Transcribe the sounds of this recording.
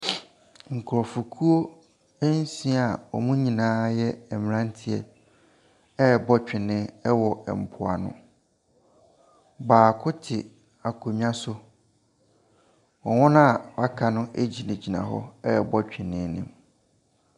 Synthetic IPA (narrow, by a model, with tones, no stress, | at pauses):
ŋ̩˨kʰʊ˨ɾɔ˨fu˨kʰu˦o˦ | e˦n˦sĩ˦a˨ɔ̰˨mũ˦ɲĩ˨nãː˨˦jɛ˦ɛ˨m˨ɾã˦n˦tʰɪ˨ɛ˨ | ɛ˦˨bɔ˦t͡ɕᶣɪ̃˨nɪ̃˦ɛ˦wɔ˨ɛ̰˨m̩˨pʰʊ˨a̰˨nʊ̰̃˦ | baː˨kʰʊ˦tʰɪ˨ | a˨kʰo˨ɲ˦ã˦sʊ˦ | wɔ˨ŋʊ̃˦ñ˦a˨a˦kʰa˨nʊ̃˦ʔe˦d͡ʑi˨nẽ˨d͡ʑi˨nã̰˨ɦɔ̰˦ɛ˦˨bɔ˦t͡ɕᶣɪ˨nɪ̃˦nɪ̰̃˨m